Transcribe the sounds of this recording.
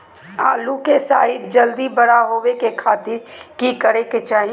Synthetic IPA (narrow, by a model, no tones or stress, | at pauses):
a̰ːlukesa̰ːɪt̪̚d͡ʒɐld̪ibɐɽaɦoːwekekʰaːt̪ɪɾkikəɾeket͡ʃaːɦi